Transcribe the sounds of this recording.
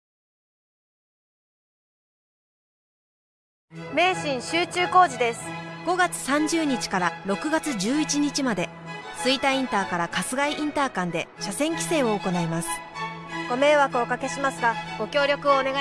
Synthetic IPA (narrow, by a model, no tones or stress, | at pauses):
me̞ːɕĩɰ̃ɕɨːt͡ɕɨːko̞ːʑid̪e̞sɨ̥ɡ̥o̞ɡat͡sɨ̥sãɲ̟d͡ʑɨːɲ̟it͡ɕi̥kaɾaɾo̞kɯ̟ɡat͡sɨd͡ʑɨːit͡ɕiɲ̟it͡ɕimad̪e̞ | sɨit̪aĩnt̪aːkaɾakasɨɡaiʔĩnt̪aːkãnd̪e̞ɕasẽ̞ŋkʲi̥se̞ːo̞ːko̞naimasɨ̥ | ɡ̥o̞me̞ːβakɯ̟okake̞ɕimasɨɡaɡ̥o̞kʲo̞ːɾʲo̞kɯ̟oːne̞ɡ